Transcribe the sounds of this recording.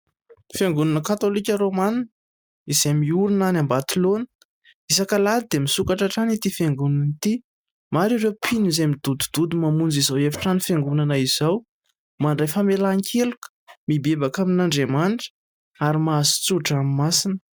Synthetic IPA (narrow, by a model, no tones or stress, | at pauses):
feŋɡununəkat̪olikʲəɾoman | izemiuɾinanambat̪ilonə | isakəlad̪id̪emisukaʈ͡ʂaʈ͡ʂanit̪ifeŋɡununit̪i | maɾiɾewpʰinizemid̪̥ud̪ud̪̥ud̪umamund͡zizawefḁʈ͡ʂanifeŋɡunanəiz̥aw | manɖ͡ʐefəmelaŋkʰelukə̥mibebakaminaɳɖ͡ʐemanʈ͡ʂə̥ | aɾimazi̥t͡suʈ͡ʂamimasinə̥